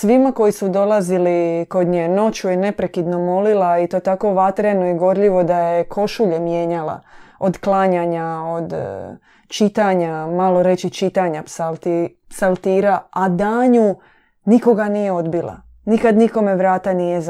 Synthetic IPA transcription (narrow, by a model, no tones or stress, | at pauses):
sʋimako̞jisud̪o̞lˠaziliko̞d̪ɲeno̞t͡ɕujene̞pɾe̞kid̪no̞mo̞lilait̪o̞ːt̪ako̞ʋat̪ɾenoiɡo̞ɾʎiʋo̞d̪ajekʰo̞ʃuʎemjeːɲala̰od̪klaɲaɲaod̪ | t͡ʃit̪aɲamalo̞ɾe̞t͡ʃit͡ʃit̪aɲapsalt̪i | psalˠt̪iːɾaad̪aːɲu | niko̞ɡaniːjeo̞d̪bilˠa̰ | nikad̪niko̞me̞ʋɾaːt̪anijez